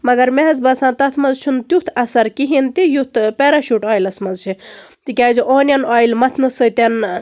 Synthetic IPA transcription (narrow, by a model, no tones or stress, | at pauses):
mɐɡɐɾmeɦɐzbɐsãːt̪ɐt̪ʰmɐnzt͡ʃʰunt̪jut̪ʰɐsɐɾkiɦint̪ijut̪ʰpeɾaʃuʈaːjlɐsmɐnzt͡ʃʰi | t̪ikʲaːd͡ʒiʔoːnʲɐnaːjlmɐt̪ʰnɨsɨt̪ʲɐn